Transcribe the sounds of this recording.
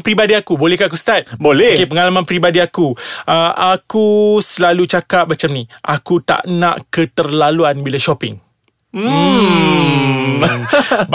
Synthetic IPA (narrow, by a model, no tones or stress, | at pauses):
pəɾibadiakubolɛhkak̬ust̪at̪̚bolɛokepəŋalamãnpɾibadiakuəʔakusəlalut͡ʃakap̚mat͡ʃamniʔakut̪a̰ʔnã̰ʔkət̪ərlaluanbilaʃɔpɪŋ̩ | b